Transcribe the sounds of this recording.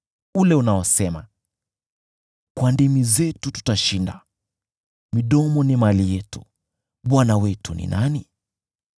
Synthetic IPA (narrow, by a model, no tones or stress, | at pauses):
ulɛunaɔsɛma̰ | kwandimizɛtutu̥taʃinda̰ | miɗɔmɔnimalijɛtu̥ | ɓwanawɛtunḭnani